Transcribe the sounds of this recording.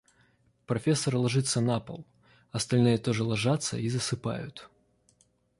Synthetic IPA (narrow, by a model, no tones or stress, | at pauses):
pɾɐfʲe̞sːəɾlˠɐʐɨt̪sənapə̰lˠ | ɐst̪ɐlʲnɨjət̪oʐɨlˠɐʐat̪sə̰izəsɨpa̰jʊt̪